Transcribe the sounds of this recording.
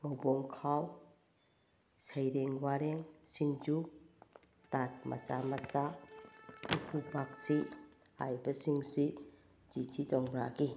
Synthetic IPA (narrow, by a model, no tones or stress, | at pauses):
ɡowbɔŋkʰaw | sajɾeŋwaɾeŋsind͡ʒu | tat̚mʔa̰t͡ʃamat͡ʃa | ukʰubak̚siha̰jbɐsiŋsi | d͡ʒitʰitɔŋɾaɡi